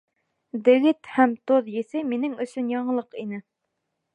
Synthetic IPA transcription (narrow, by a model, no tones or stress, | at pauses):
d̪eɡʲɪt̪hɛmt̪ʰoðjesɪmenɪŋøsynjɑɴəlˠəqinɪ